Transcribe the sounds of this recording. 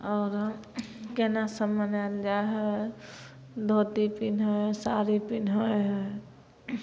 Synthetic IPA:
ɔːɾ | kenasəmːənald͡ʒaɦɛ | d̪ʱot̪ipinɦojsaɾipinɦoɦ

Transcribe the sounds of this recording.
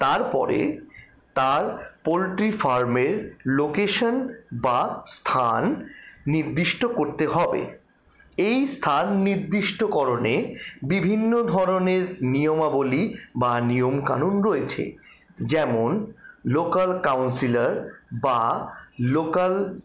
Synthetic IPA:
t̪aɾpɔ̰ɾḛ | t̪aɾpolʈɾifaɾmeɾlokeʃanbast̪ʰanːiɾd̪iʃʈokoɾt̪eɦɔbḛ | ejst̪ʰanːiɾd̪iʃʈokɔɾonebibʱinːod̪ʱɔɾoneɾniomabolibanijomka̰nunɾoet͡ɕʰḛ | d͡ʑɛmonlokalkawnsilaɾbalokal

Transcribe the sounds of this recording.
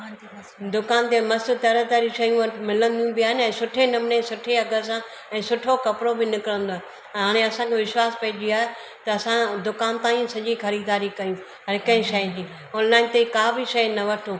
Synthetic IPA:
d̪ʊkaːnt̪emɐst̪t̪ɐɾət̪aːɾiʃɐjũmɪlə̃nd̪ijũbɪaːɦɪnɪɛ̃ːsʊʈʰenɐmnesʊʈʰeɐɡəs̬ã | ɛ̃ːsʊʈʰokɐpɾobɪnɪkɪɾə̃nd̪oãː | ɦaːɽ̃eɐsãkʰeʋɪʃwaːspɐɦɪd͡ʑiaːɦe | t̪ɐɐsãd̪ʊkaːnt̪aːĩsɐʄixɐɾiːd̪aːɾikɐjũ | ɐɾɪkɐ̃ɦĩʃɐjd͡ʑ̪iː | ɔːnlaːɪnt̪ekaːbiʃɐjnɐʋɐʈʰõː

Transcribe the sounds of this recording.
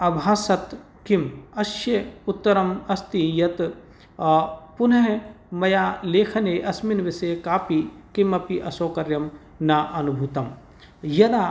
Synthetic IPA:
ɐbʱaːsɐt̪ | kimɐʃjeʊt̪ːɐɾɐmɐst̪ijɐt̪ | pʊnɐɦ | mɐjaːleːkʰɐneːʔɐsminʋɪsekaːpikimɐpiʔɐsoːkɐɾjɐm | naːʔɐnubʱuːt̪ɐm | jɐd̪aː

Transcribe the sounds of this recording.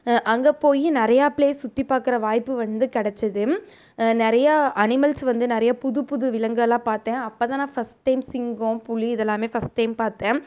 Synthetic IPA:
ʔɐŋɡepoːjinɪɾɐjaːpɭeːsʊt̪ːipːaːkɪɾɐʋaːjpːɯʋɐnd̪ɯkɐɽɛt͡ʃːɐðɯ | nɪɾɐjaʔɐnɪmɐlsʋɐnd̪ɯnɪɾɐjɐpʊðɯpʊðɯʋɪlɐŋɡɐlãːpaːɾt̪ẽːɐpːoːt̪ãːnãːfɐsʈʈːɐɪmsɪŋɡõpʊɭiɪðɛlːãːmeːfɐsʈːɐɪmpaːɾt̪ẽː

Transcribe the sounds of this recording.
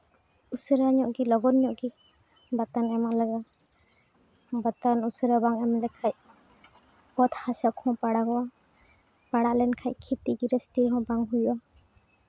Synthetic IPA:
usɾaɲɔʔɡilɔɡɔnɲɔʔɡi | bat̪anɛmaʔlaɡa | bat̪anusɾabaŋɛmlɛkʰac̚ | pɔt̪ʰhasakʰɔ̃paɽaɡɔwa | paɽaʔlɛnkʰac̚kʰit̪iɡiɾɛst̪iɾɦɔ̃baŋɦujʔa

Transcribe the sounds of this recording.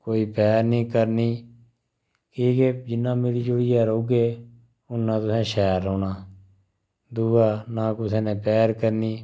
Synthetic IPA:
koːiːpɛːɾnĩːkəɾniː | kiːked͡ʒɪnːãːmeːɾiːd͡ʒʊɽiːɛːɾoːɡeː | ʊnːãːt̪ʊsɛ̃ːʃɛːɾɦoːnaː | d̪uːɡaːnaːkʊsɛ̃ːnẽːpɛːɾkəɾniː

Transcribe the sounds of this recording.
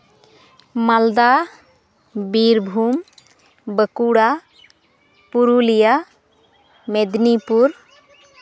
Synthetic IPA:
mald̪a | biɾbʱum | bəkuɽa | puɾulija | med̪nipuɾ

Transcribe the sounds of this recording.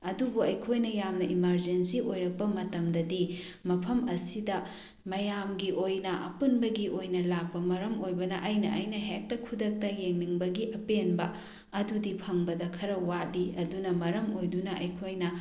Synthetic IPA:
ɐdubuɐjkʰojnɐjamnɐʔimɐɾd͡ʒensiojɾɐk̚pɐmɐtɐmdɐdi | mɐpʰɐmɐsidɐ | mɐjamɡiʔojnɐʔɐ̰punbɐɡiʔojnɐlak̚pɐmɐɾɐmojbɐnɐʔɐjnɐ̰ʔɐjnɐɦek̚tɐkʰudɐk̚tɐjeŋniŋbɐɡiʔɐpenbɐ | ɐdudipʰɐŋbɐdɐkʰɐɾɐwat̚diɐdunɐmɐɾɐmojdunɐʔɐ̰jkʰojnɐ

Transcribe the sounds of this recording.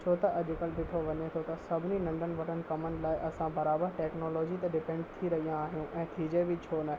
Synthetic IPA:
t͡ɕʰoːt̪ɐʔɐʄɪkəlbɪʈ̪ʰoʋɐɲet̪ʰot̪ɐsɐbʱɪninɐ̃nd̪ʱənɪ̆ʋɐʈʰənɪ̆kɐmənɪ̆laːɪʔɐsãbɐɾaːbəɾʈɛːknoːlɔːd͡ʑit̪ɐɖɪpɛ̃ːɳɖt̪ʰiɾɐɦijãaːɦijũʔɛ̃ːt̪ʰiːd͡ʑebʱɪt͡ɕʰoːnaɦ

